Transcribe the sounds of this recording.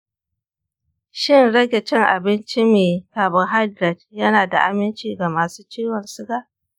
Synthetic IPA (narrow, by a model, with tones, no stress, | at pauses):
ʃɪ˦nɽɐ˦ɡʲe˨t͡ʃɛ˦ŋʔa̰˨bɪ˦nt͡ʃi˦meː˨kaː˨bɪ˨ŋɦa˦dɾɛ˨t̚jɐ˦naː˨da̰˨ʔa˨mɪ˦nt͡ʃiː˦˨ɡa˨maː˨suː˦t͡ʃiː˦wɔ˨nsɪ˦ɡaː˦